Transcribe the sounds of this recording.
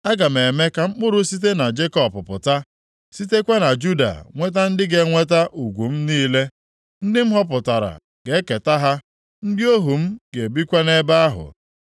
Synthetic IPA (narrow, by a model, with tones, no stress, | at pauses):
a˦ɡa˨m˨e˨me˦ka˨ŋ͡m̩˦k͡pʊ˦ɾʊ˦si˦t̬e˦na˨d͡ʒe˦kɔ˨pʊ˨pʊ̰˨ta˦ | si˦te˦kʷe˦na˨d͡ʒu˦da̰˨ŋʷe˦t̬a˦n̩˦dɪ˦ɡe˦ŋʷe˦ta˦ʔu˨ɡʷu˨m̩˦niː˦le˦ | n̩˦dɪ˦m̩˦ɦɔ˦p̬ʊ˨ta˨ɾa̰˨ | ɡ̥e˨˦ke˨ta˦ɦa˦ | n̩˦dɪ˦o˦ɦu˨m̩˦ɡ̥e˨e˨bi˦kʷe˦ne˦ba˦a˦ɦʊ̰˨